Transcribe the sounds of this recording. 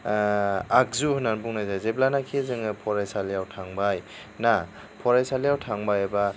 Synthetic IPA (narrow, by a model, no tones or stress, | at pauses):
ak̚zuhunanbuŋnajzajzeblanakʰizɯŋɯpʰɔɾajsaliawtʰaŋbaj | na | pʰɔɾajsaliawtʰaŋbajaba